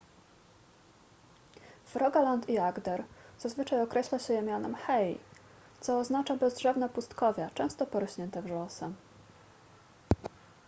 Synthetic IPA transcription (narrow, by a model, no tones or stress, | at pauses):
fɾʔɔɡalant̪iaɡd̪ɛɾz̥azvɘt͡ʂajɔkɾɛɕlaɕɛjɛmʲjɔnɛ̰mxɛj | t̪sɔːznat͡ʂabɛzdʐɛvnɛpust̪kɔvʲat͡ʂɛ̃w̃st̪ɔpɔɾɔɕɲɛnt̪ɛvʐɔsɛ